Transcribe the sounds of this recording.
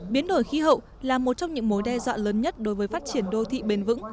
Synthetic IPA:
ɓi˨˦ənɗo˧˩jxi˨˦ɦə̰˧˨w | laː˨˩mo˨˩t̚t͡ɕɔ˧wŋ͡mɲɨ̰˧˥ŋmo˨˦jɗɛ˧zwa̰ː˧˨ləː˨˦nɲə˦˥t̚ɗo˨˦jvəː˨˦jfaː˦˥t̚t͡ɕi˧˩ənɗo˧t̪ʰḭ˧˨ɓe˧nvɨ̰˧˥ŋ

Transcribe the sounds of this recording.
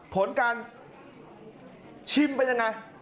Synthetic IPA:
pʰo˩˦nkaː˧n | t͡ɕʰi˧mpa˧nja˧ŋa˧j

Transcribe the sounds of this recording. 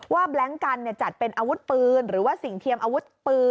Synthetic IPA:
waː˥˩blɛ˦˥ŋka˧nːi˧˩t͡ɕa˨˩t̪̚pe˧nʔaː˧wu˦˥t̪̚pɯː˧nɾɯː˩˦waː˥˩si˨˩ŋt̪ʰi˧əmʔaː˧wu˦˥t̪̚pɯː˧

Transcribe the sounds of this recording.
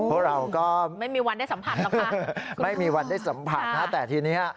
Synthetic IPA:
pʰu˥˩ɾa˧wkɔː˥˩ma˥˩jmiː˧wa˧nda˥˩sa˩˦mpʰa˨˩˨ma˥˩jmiː˧wa˧nda˥˩jsa˩˦mpʰa˨˩t̪̚nʰaː˦˥˩t̪ɛː˨˩t̪ʰiː˧niː˦˥a˩

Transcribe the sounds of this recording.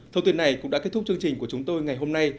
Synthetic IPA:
t̪ʰə˧wt̪i˧ənːa˨˩jkʊ̰˧˥ŋ͡mɗa̰ː˧˥e˦˥t̪̚ʊ˥t͡ɕɨ˧ŋt͡ɕï˨˩ŋ̟ku˧˩ət͡ɕʊ˨˦ŋ͡mt̪o˧jŋa˨˩jɦo˧mna˧j

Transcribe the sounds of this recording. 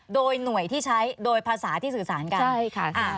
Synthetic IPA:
doː˧jnu˨˩əjt̪ʰiː˥˩t͡ɕʰa˦˥jdoː˧jpʰaː˧saː˩˦t̪ʰiː˥˩sɯː˨˩saː˩˦nka˧a˥˩jkʰa˦˥˩ʔa˧˩

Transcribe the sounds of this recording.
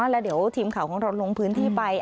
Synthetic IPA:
lɛː˦˥wdi˩˦əwt̪ʰiː˧mkʰa˨˩wkʰɔː˨˩˦ŋɾa˧wlo˧ŋpʰɯː˦˥nt̪ʰiː˥˩pa˧j

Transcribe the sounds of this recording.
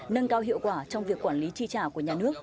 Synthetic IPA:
nə˧nkaː˧wɦḭ˧˨wkwaː˧˩t͡ɕɔ˧wŋ͡mvi˨˩əkːwaː˧˩nli˨˦t͡ɕi˧t͡ɕaː˧˩ku˧˩əɲaː˨˩nɨ˦˥ək̚

